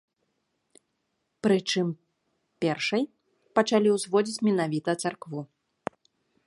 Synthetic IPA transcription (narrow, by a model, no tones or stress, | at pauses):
pɾɨt͡ʂɨm | pʲɛrʂɐj | pɐt͡ʂalʲiwzvɔd͡zʲit͡sʲmʲɛnavʲit̪ɐt̪sarkvu